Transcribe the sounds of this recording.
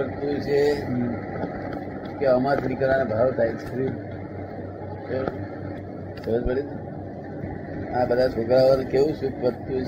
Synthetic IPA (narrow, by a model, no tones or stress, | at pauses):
əɽt̪ũt͡ʃʰe | keəmat̪ʰiniklanebʱaʋt̪ʰajt͡ʃʰe̥ɾi | t̪o | səɾəd͡ʒpəɽid̪ | abəd̪ʱaeɡɾaʋəlkeʋũsukʰʋət̪ũ